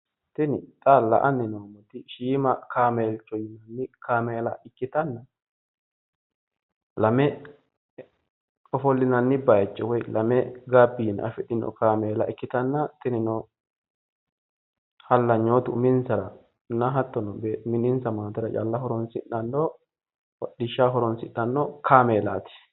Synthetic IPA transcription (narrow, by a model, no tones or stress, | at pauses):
t̪ɪnɪt̪ʼalːɐ̰ʔɐnːɪnoːmɔt̪ɪʃiːmɐkaːmeːlt͡ʃːɔjɪnɐnːɪkaːmeːlɐʔɪkːɪt̪ɐnːɐ | lɐmɛ | ɔfɔlːɪnɐnːɪbɐjt͡ʃːɔwɔjlɐmɛɡabːiːn̰ɐ̰fɪɗɪnɔ̰kaːmeːla̰ːʔɪkːɪt̪ɐnːɐt̪ɪnɪnɔ | hɐlːɐɲːoːt̪ʊmɪnsɐɾɐ | nɐɦɐt̪ːɔnɔbeːmɪnɪnsɐmaːt̪ɪɾɐt͡ʃʼɐ̰lːɐhɔɾɔnsɪ̰ʔːɐnːɔ | ɔɗɪʃːaːɦɔɾɔnsɪʔːɐnːɔkʰaːmeːla̰ːt̪ɪ̥